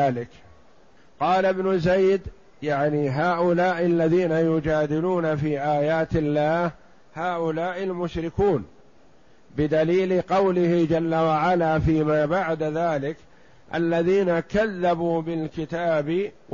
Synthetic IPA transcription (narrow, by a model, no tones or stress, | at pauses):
aːlɪk | qɑːlabnʊzajd̪ | jaʕniːɦaːʔʊlaːʔɪlːaðiːnajʊd͡ʒaːd̪ɪluːnafiːʔaːjaːt̪ɪlːaːh | haːʔʊlaːʔɪlmʊʃɾɪkuːn | bɪd̪aliːlɪqɑwlɪhɪd͡ʒalːawaʕalaːfiːmaːbaʕd̪aðaːlɪk | ʔa̰lːaðiːnakaðːabuːbɪlkɪt̪aːbɪ